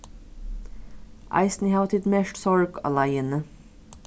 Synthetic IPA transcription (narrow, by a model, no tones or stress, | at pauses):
ʔɑ̰ɪsnɪhɑʊt̪ɪt̪mɛʃʈsɔɹɡɑ̰læɪənə